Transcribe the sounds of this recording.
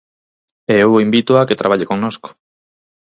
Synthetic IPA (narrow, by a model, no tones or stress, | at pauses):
eewimbit̪oaket̪ɾaβ̞aʎekoŋnosko̥